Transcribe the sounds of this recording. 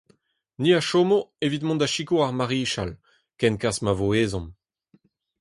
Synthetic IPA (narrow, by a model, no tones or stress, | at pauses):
niaʃomoevit̪mɔ̃nd̪aʃikoaʁmaʁiːʃal | kɛnkasmavoeːzɔ̃m